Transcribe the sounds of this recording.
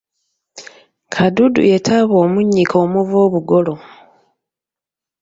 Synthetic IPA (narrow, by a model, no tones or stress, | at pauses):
kʰadudṵe̞tʰaβoːmuɲːikʰoːmuvoːβuɡolo̞